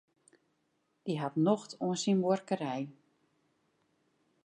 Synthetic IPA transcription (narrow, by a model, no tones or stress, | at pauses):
d̥iɦatnɔxtʰuənsinwɔrkəɾɛj